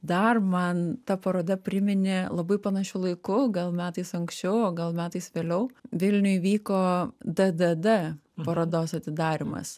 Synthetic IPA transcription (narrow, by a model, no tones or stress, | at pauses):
d̪ɐrmɐnt̪ɐpɐɾoːd̪ɐpʲɾʲɪmʲɪnʲɪlˠɐbɐɪpɐnɐʃʲʊlˠɐɪkʊɡɐlˠmʲæːt̪ɐɪsɐŋksʲt͡ʃʲɛʊoːɡɐlˠmʲæːt̪ɐɪsʋʲeːlʲɛʊʋʲɪlʲnʲʊjʋʲiːkoːd̪ɐd̪ɐd̪ɛpɐɾoːd̪oːsɐt̪ʲɪd̪ɑːɾʲɪmɐ̰s